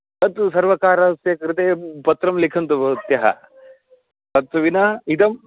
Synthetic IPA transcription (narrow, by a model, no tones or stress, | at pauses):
t̪ɐt̪sɐɾʋɐkaːɾɐsjɐkɾt̪eːpɐt̪ɾɐmlikʰɐnt̪ubɐt̪jɐɦɐ̰ | t̪ɐt̪ːɐʋinait̪ɐm